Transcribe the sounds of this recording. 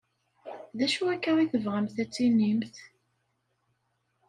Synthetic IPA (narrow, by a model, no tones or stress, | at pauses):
ðæʃuækːæʁiθəvʁamθæt͡sːinːimθ